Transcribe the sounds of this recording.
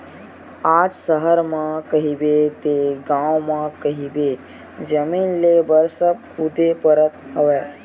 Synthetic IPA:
aːd͡ʒsəɦəɾmãkəɦibet̪eɡãːʋmãkəɦibe | d͡ʒəmiːnlebəɾsəb̚ | ʊd̪epəɾət̪ɦəʋeː

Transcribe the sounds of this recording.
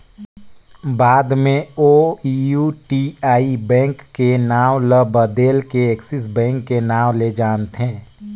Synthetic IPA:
baːd̪mẽoijuʈiaːibɛ̃ːŋkːenaːʋləbəd̪eːlkeeksɪs̬bɛ̃ːŋkːenaːʋled͡ʒaːnt̪ɦɛ̃ː

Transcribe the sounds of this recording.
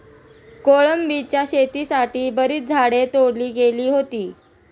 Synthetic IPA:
koɭəmbit͡ɕjaɕet̪iːsaʈiːbəɾiːt͡s̚d͡zʱaɽet̪oɽliːɡeliːɦot̪iː

